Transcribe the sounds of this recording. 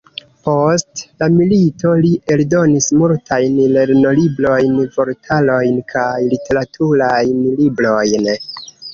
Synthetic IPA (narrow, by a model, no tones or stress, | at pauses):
po̞stlamilito̞liʔe̞ldo̞nismultʰajnle̞ɾno̞libɾo̞jnvo̞ɾtʰalo̞jnkʰajlitʰe̞ɾatʰuɾajnlibɾo̞jn